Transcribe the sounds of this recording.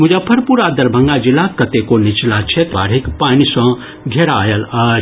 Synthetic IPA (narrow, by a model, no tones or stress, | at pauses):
mud͡ʒapʰɐɾpuɾad̪ɐɾbʱɐ̃ŋɡad͡ʒilakɐt̪ekonit͡ʃlat͡ʃʰet̪ba̰ɽ̤ikpanisɐ̃ | ɡʱeɾaːjəlɐ